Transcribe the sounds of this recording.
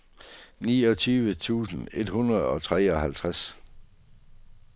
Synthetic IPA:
niːɒ̽t͡sʰyːʋət͡sʰṵːsn̩e̝d̥hunɐð̩ˠɒ̽t͡sʰʁɛːɒ̽hælt͡sʰʁas

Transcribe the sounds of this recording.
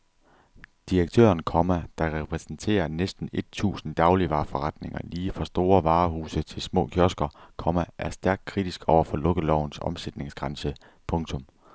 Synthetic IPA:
d̥iɐɡ̥̚t͡sʰø̰ːɐnkʰɒmæd̥ɑ̈ʁɛpʰʁɛsn̩t͡sʰe̝̰ːɐnesd̥n̩e̝d̥̚t͡sʰṵːsn̩d̥ɑ̈ʊliʋɑ̈ːfɒʁɑ̈d̥ne̝ŋɐ̰liːfʁɑ̈sd̥o̝ːɐʋɑ̈ːhuːsət͡sʰe̝lsmɔ̰̽ːkʰjɒsɡ̥ɐkʰɒ̽mæʔæɐsd̥æɐɡ̥̚kʰʁid̥isɡ̥ɒʊɐfɒ̽lɔ̽ɡ̥əlɒʊ̰n̩sɒ̽msed̥ne̝ŋsɡ̥ʁɑ̈nsə | pʰɔ̽ŋt͡sʰɔ̽m

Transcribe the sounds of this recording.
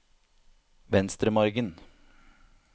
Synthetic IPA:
ʋɛnst̪ɾəmɔɾɡən

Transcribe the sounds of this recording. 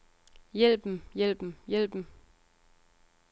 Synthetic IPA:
jel̰b̥m̩jel̰b̥m̩jel̰b̥m̩

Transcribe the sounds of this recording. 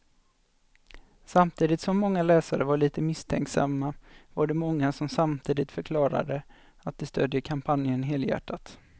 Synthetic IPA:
samt̪ʰiːd̪ɪt̪sɔmːɔŋːalɛːsaɾəvaɭiːt̪əmɪst̪ʰɛ̰ŋksa̰mːavaɖɛmɔŋːasɔmsamt̪ʰiːd̪ɪt̪fœɾkʰlɑːɾa̰d̪ə | at̪̚d̪ɛst̪øːd̪jəkʰampʰanjənɦeːljæ̰ʈʰːat̪

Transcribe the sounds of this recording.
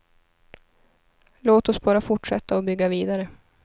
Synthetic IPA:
loːt̪ɔsbɑːɾafʊʈʂɛt̪ʰːaɔbʏɡːaviːd̪aɾə

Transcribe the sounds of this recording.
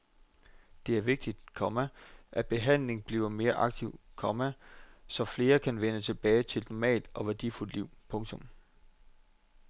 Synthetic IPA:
d̥e̝æɐʋe̝ɡ̥̚d̥id̥kʰɒ̽mæʔæb̥e̝ɦæn̰le̝ŋb̥lḭːʊɐme̝ːɐʔɑ̈ɡ̥̚t͡sʰiʊ̰kʰɒ̽mæsɒ̽fle̝ːɐkʰænʋenət͡sʰe̝b̥ɛːɪt͡sʰe̝lnɒmɛ̰ːld̥ʔɒ̽ʋæɐd̥iful̰d̥liʊ̰pʰɔ̽ŋt͡sʰɔ̽m

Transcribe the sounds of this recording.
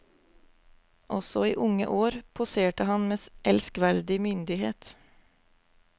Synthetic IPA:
ʔɔsɔiːʔʊŋə̰ʔoːɾpʰʊseːʈəhɑnmeːsʔɛlskʋæɾd̪ɪmʏnd̪ɪheːt̪

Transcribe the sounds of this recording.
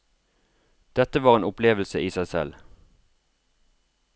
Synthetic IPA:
d̪̥ɛt̪əʋɑːʁeːnʊpleːʋəlsəʔiːsæɪsɛ̰l

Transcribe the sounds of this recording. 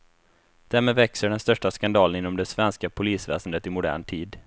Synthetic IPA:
d̪̥æɾmeːd̪vɛksəɖɛnst̪œʂʈaskand̪ɑːlənɪnːɔmd̪ɛsvɛnskapʰʊliːsvɛ̰ːsənd̪ət̪ɪmʊd̪æ̰ːɳʈʰiːd̪

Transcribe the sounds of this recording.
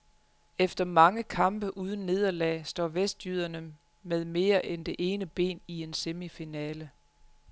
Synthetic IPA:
efd̥ɐmɑ̈ŋəkʰɑ̈mb̥əʔuːð̞ˠn̩nːe̝ːð̞ˠɐlɛ̰ːsd̥ɒ̰ːʋesd̥jyð̞ˠɐnə | með̞ˠme̝ːɐʔend̥e̝ʔe̝ːnəb̥e̝̰ːnie̝nsemifinɛːlə

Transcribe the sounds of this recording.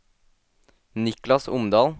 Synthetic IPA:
nɪklɑsʊmd̪ɑːl

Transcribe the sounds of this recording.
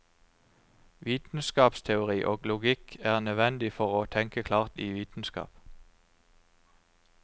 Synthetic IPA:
ʋiːt̪n̩skɑːpst̪ʰɛʊʁiːʔoːɡlʊɡɪkʰæːʁnœʋɛnd̪ɪfɔʁoːt̪ʰɛŋkəkʰlɑːʁt̪iːʋiːt̪n̩skɑ̰ːp

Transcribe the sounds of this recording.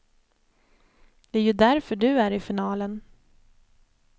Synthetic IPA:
d̪̥ɛæːɾjɵd̪æɾfœɖɵæɾɪfɪnɑːlən

